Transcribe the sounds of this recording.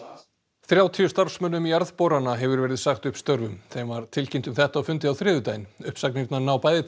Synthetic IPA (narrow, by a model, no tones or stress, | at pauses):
θɾjaːwt̪ʰiʏst̪aɾfsmœnːʏmiaɾðpowɾanaɦɛvʏɾvɛːɾɪðsaxt̪ʏhpst̪œɾvʏmθɛmvaɾ̥t̪ʰɪlcint̪ʏmθɛht̪aːwfʏnt̪̬ɪawθɾɪːðʏt̪ajnʏhpsaknit̪nanawpaːjðɪ